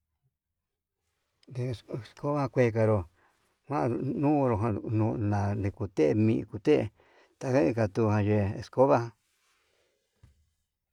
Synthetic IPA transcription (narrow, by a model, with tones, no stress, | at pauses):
d̪e˧˨ssko˦βa˦˧kʷe˧k̬a˧ɾo˧ | kʷã˦˧nũ˦˧ɾo˧ɦã˧nũ˧nã˨de˧ku˨t̪e˦˧mĩ˧ku˧t̪e˦ʔḛ˧˨ | t̪a˧ka˦i˧ka˧t̪u˧hã˧ʒe˧˨e˧sko˦βa˦hã˧